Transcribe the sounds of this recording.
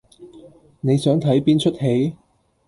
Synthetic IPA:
ne˨˧jsœː˨˥ŋt̪ʰɐ˨˥jpiː˥nt͡ʃʰɵ˥t̚he˨˥j

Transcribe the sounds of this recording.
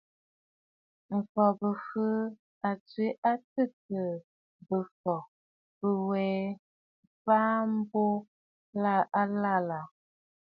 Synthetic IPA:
m̩˨fɔ˨bə˨fə˦ | a˨t͡sɥi˦ʔa˦tə˦˨tə˨ | bə˨fɔ˨ | bə˨wɛː˨˦ | faː˦m̩˦bo˦ | la˦˨a˦la˦˨la˨

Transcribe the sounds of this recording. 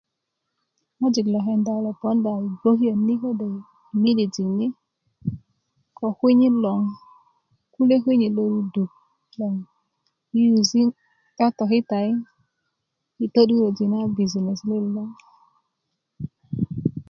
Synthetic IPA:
ɔ˦d͡ʒi˨klɔ˨ɦɛ˦n˦da˨˦lɔ˨pɔ˦n˦da˨i˨bo˦ɦi˦o˨ni˦ko˦de˨ | mi˦di˨d͡ʒi˨ni˦ | kɔ˨hʷi˦ɲi˦lɔ˨ŋ | ku˦le˦ɦʷi˦ɲi˨lo˧˦ɾu˦du˨ | lɔ˨ŋ | i˦u˨zi˦ | ka˦tɔ˨ki˦ta˨i˦ | i˨to˦du˦ɾo˨d͡ʒi˨na˦bi˨zi˨ne˨sle˦lɔ˦

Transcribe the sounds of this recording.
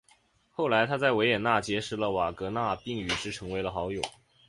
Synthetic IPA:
xo˥˩ʊla˧˥ɪt̪ʰa˥t͡sa˥˩ɪwe˧˥ɪjɛ˨˩na˥˩t͡ɕjɛ˧˥ʂɻ̩˧˥lə˧wa˨˩kɤ˧˥na˥˧pi˥˩ŋy˨˩ʈ͡ʂɻ̩˥˩ʈ͡ʂʰɤ˧˥ŋwe˧˥ɪlə˧xɑ˧˥ʊjo˨˩˦

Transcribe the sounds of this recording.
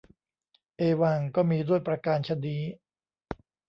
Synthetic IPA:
ʔeː˧waː˧ŋkɔː˥˩miː˧du˥˩əjpɾa˧kaː˧nt͡ɕʰa˧niː˦˥

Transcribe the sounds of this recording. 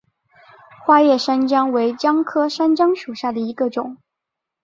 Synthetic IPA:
xwa˥ɥɛ˥˩ʂa˥nt͡ɕjɑ˥ŋwe˧˥ɪt͡ɕjɑ˥ŋkʰɤ˥ʂa˥nt͡ɕjɑ˥ŋʂu˨˩ɕja˥˩d̪ə˩i˧˥ɡə˧ʈ͡ʂʊ˨˩˦ŋ

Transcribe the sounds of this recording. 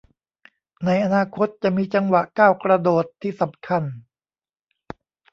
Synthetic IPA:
na˧jʔa˧naː˧kʰo˦˥t̪̚t͡ɕa˨˩miː˧t͡ɕa˧ŋwa˨˩ʔkaː˥˩wkɾa˧doː˨˩t̪ʰːiː˥˩sa˨˩˦mkʰa˧˥˩n

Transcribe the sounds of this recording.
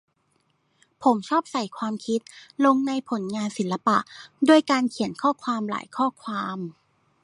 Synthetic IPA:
pʰo˩˦mt͡ɕʰɔː˥˩p̚sa˨˩jkʰwaː˧mkʰi˦˥t̪̚lo˧ŋna˧jpʰo˨˩˦nŋaː˧nsi˨˩˦nla˧pa̰˨˩ʔdu˥˩əjkaː˧nkʰi˨˩˦ənkʰɔː˥˩kʰwaː˧mla̰ː˩˦jkʰɔː˥˩kʰwaː˧m

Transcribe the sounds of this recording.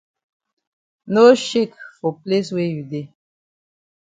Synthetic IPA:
no˦ʃe˦˨kfɔ˨ple˦swe˦ju˨de˦˨

